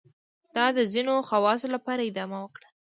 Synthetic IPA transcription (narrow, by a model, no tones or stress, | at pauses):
d̪̥ɑd̪əzinoxawɑsolapɑɾaɪd̪ɑmawəkɽa